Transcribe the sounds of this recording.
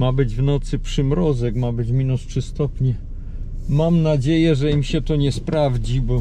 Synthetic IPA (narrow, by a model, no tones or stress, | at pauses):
mabɘd͡ʑvnɔt̪sɘpʂɘmɾɔzɛkmabɘd͡ʑmʲinustʂɘst̪ɔpɲɛ | mamnad͡ʑejɛʐɛimɕɛt̪ɔɲɛspɾavd͡ʑibɔ